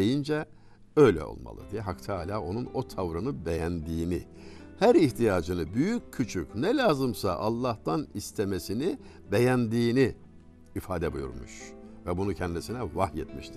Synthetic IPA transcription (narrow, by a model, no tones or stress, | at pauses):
ejind͡ʒɛ | ø̞jlʲɛ̰o̞̰lˠma̰lˠɯ̰d̪ijɛɦakt̪ʰaːlʲaːo̞nuno̞t̪ʰavɾɯnɯbe̞jænd̪iːni | hæɾiçt̪ʰijaːd͡ʒɯnɯbyjycʰːyt͡ʃʰycnɛlʲaːzɯmsa̰ʔalˠːaht̪ʰanist̪ʰemesini | be̞jænd̪iːni | ifaːd̪ɛbujṵɾmuʃvɛbunucʰɛnd̪isinɛvahjet̪mḭʃt̪ʰi̥